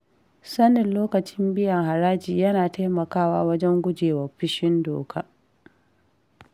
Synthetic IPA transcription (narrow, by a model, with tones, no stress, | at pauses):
sɐ˦nɪ˨nloː˦kɐ˨t͡ʃɪ˦mbɪ˦jɐ˨ŋɦa˨ɾaː˦d͡ʒiː˨jɐ˦naː˨ta˦mɐ˨kaː˦˨waː˦wɐ˦d͡ʒɛ˦ŋɡʷʊ˦d͡ʒeː˨wɐ˨rɸɪ˦ʃɪ˦ndo̰ː˨kʰaː˦